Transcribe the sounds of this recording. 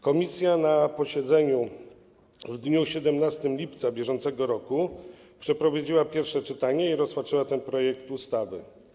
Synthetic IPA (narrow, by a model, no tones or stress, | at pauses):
kɔmʲisʲjanapɔɕɛd̪zɛɲu | vd̪ɲuɕɛd̪ɛmnast̪ɘmlʲipt̪sabʲjɛʐɔnt̪sɛɡɔɾɔku | pʂɛpɾɔvad͡ʑiwapʲjɛɾfʂɛt͡ʂɘt̪aɲɛiɾɔspatt͡ʂɘwat̪ɛnpɾɔjɛk̚t̪ust̪avɘ̰